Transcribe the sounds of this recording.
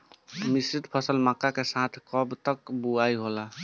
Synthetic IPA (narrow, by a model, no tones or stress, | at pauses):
misɾit̪pʰəsəlmakakesãt̪ʰkɔbt̪əkbuaiɦola